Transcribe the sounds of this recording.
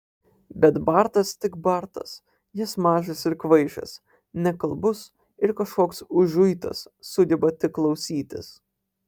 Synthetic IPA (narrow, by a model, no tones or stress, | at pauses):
bʲɛt̪bɐɾt̪ɐst̪ʲɪkbɐɾt̪ɐ̰s | jɪsmɑːʒʲɐsɪɾkʋɐɪʒʲɐ̰s | nʲɛkɐlˠbʊs | ɪɾkɐʃkoːksʊʒʊjt̪ɐ̰sːʊd̪ʲɛbɐt̪ʲɪkkːlˠɒʊsʲiːt̪ʲɪ̰s